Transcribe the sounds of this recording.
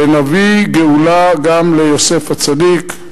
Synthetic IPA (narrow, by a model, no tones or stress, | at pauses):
enaviɡeulaɡamlejo̞se̞fat͡sadik